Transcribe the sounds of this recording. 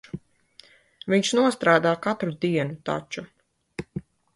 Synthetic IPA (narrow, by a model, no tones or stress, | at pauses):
viɲʃnuɔst̪ɾaːd̪aːkat̪ɾud̪iɛnut̪a̰t͡ʃu